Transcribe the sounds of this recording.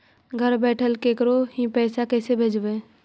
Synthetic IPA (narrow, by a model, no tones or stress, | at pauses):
ɡʱəɾbɛːʈʰəlkekɾoɦĩpɛːsakɛːsebʱeːd͡ʒbẽː